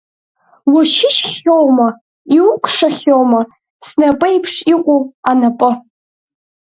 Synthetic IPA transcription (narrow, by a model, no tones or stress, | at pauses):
wʊʃɪʃχʲowmɐ | iwkʷʰʼʂɐχʲowmɐ | snapʼɐjpʰʂiqʷʼuanapʼɨ